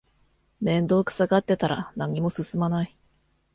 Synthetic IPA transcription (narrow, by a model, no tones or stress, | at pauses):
mẽ̞nd̪o̞ːkɯ̟̥saɡat̪ːe̞t̪aɾa̰naɲ̟imo̞sɨsɨmanai